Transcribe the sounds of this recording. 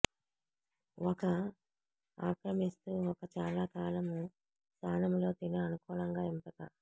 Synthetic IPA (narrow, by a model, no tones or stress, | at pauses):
ɔkɐ | aːkɾɐmist̪uːɔkɐt͡ʃaːlaːkaːlɐmu | st̪ʰaːnɐmlo̞ːt̪inɐɐnukuːlɐŋɡaːimpɐk̪ɐ